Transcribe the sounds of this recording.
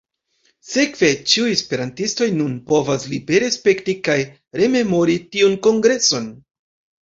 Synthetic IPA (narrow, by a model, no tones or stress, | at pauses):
se̞kv̥e̞t͡ʃiujespe̞ɾantisto̞jnunpo̞vaslibe̞ɾe̞spe̞ktikaj | ɾe̞me̞mo̞ɾitiunko̞ŋɡɾe̞so̞n